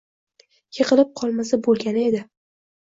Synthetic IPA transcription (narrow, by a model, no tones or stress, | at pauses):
jeqɨlɪp̚qʰɒlˠmasabolˠɡʲanɪe̞d̪ɪ